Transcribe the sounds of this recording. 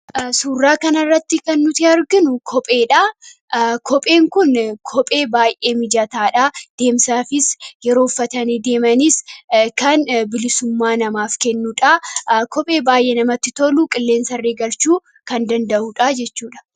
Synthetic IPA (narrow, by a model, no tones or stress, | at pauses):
suːrːaːkɐnɐrːɐt̪ːɪkɐnːʊt̪ɪɐɾɡɪnʊkʰɔpʼe̞ːᶑa | kʰɔpʼeːŋkʊnkʰɔpʼe̞ːbaːjʔe̞ːmɪd͡ʒɐt̪aːᶑaːd̪̥e̞ːmsaːfɪsjɛɾo̞ːfːɐt̪ɐned̪e̞ːmɐnɪskɐnbɪlɪsʊmːaːnɐmaːfkɛnːuᶑakɔpʼe̞ːbaːjʔenɐmɐt̪ːɪt̪ɔlukʼɪlːe̞ːnsɐrːeːɡɐlt͡ʃuː | kɐnd̪ɐnd̪ɐʔuᶑad͡ʒɛt͡ʃːuːᶑɐ̥